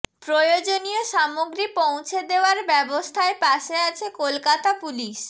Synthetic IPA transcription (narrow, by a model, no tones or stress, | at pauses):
pɾojod͡ʑonijoʃamoɡɾipow̃t͡ɕʰed̪eoaɾbɛbost̪ʰaepaʃeat͡ɕʰekolkat̪apuliʃ